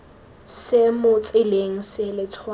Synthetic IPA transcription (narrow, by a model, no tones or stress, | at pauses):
sɪmʊt͡sʼɪleŋ̩sɪlɪt͡sʰwa